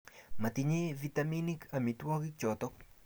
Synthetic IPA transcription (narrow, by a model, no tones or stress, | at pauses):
mat̪iɲevit̪aminikamitwɔkit͡ʃɔt̪ɔk